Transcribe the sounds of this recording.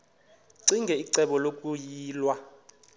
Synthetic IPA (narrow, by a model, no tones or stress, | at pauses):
ǀiŋɡʱɛiǀɛɓɔlokʼujiːlwa